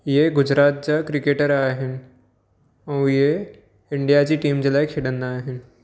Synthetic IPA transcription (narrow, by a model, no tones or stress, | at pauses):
jeɡʊd͡ʑɾaːt̪̚t͡ɕakɾɪkeːʈəɾaːɦɪnɪ̆ | ɛ̃je | ɪɳɖijat͡ɕiʈiːmd͡ʑəlaːjkʰeːɽə̃nd̪aːɦɪnɪ̆